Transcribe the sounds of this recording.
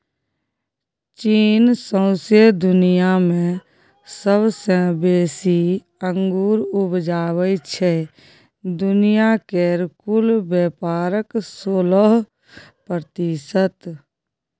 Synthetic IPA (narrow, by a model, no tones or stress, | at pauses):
t͡ʃiːnsə̃ʊsjed̪ʊnijamẽ | səbsẽbeːsi | ə̃ŋɡuːɾʊbd͡ʒaːwət͡ʃʰe | d̪ʊnijakeɾkʊlbeːpaːɾəksoːləɦ | pɾət̪isət̪